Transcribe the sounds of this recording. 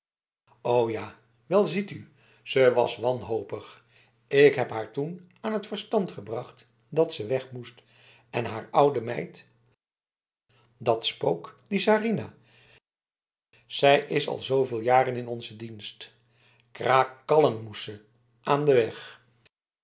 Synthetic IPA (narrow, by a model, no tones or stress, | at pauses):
owjaː | ʋɛlˠzity | z̥əʋɑ̰sʋɑnɦowpəχ | ɪkɦɛpɦaːɹtun | aːnɦətfəɹstɑntχəbrɑχt | dɑtsəʋɛχmust | ɛnɦaːɹʌwdəmɛ̰jt | dɑtspowkdisaːrina | z̥ɛjʔɪsɑ̰lˠzowvɪːlˠjaːrənɪnɔnzədinst | kraːkːɑlənmusə | ʔaːndəʋɛχ